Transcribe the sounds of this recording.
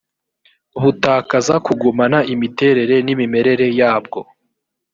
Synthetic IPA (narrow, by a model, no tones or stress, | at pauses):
βutaːkazakuɡumanaʔimite̞ːɾe̞ɾe̞nimime̞ɾe̞ɾe̞jaːb̚ɡo̞